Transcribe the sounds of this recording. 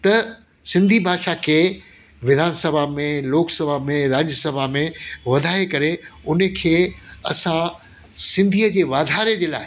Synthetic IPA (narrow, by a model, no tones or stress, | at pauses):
t̪ɐ | sɪ̃nd̪ʱibʱaːʃakʰeː | ʋɪd̪ʱaːnsɐbʱamẽloːksɐbʱamẽɾaːd͡ʑəsɐbʱamẽʋɐd̪ʱaːekɐɾeʊnə̆kʰeːɐsã | sɪ̃nd̪ʱiːəd͡ʑeːʋaːd̪ʱaːɾed͡ʑeːlaːɪ